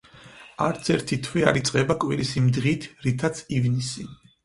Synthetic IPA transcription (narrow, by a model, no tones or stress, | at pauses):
aɾt̪sʰɛɾt̪ʰit̪ʰwia̰ɾit̪sʼqʼɛbakʼwiɾisimd̪ʁit̪ʰɾit̪ʰat̪sʰivnisi